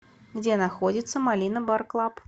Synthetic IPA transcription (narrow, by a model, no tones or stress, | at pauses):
ɡd͡zʲɛnaxɔd͡zʲit̪sːəmalʲinɐbarklˠap